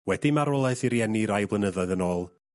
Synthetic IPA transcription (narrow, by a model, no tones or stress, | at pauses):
wɛdimaɾɔlˠaɨθiɾjɛniɾajblˠənəðɔɨðənoːlˠ